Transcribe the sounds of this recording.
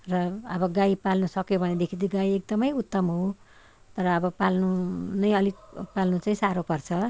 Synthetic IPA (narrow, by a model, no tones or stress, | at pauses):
rʌʌbʌɡajpalnusʌkjobʱʌned̪ekʰid̪iɡajek̚d̪ʌmʌjut̪ːʌmɦo | t̪ʌɾʌːbʌpalnunʌjʌlikpalnut͡saĩsaɾopʌrt͡sʰʌ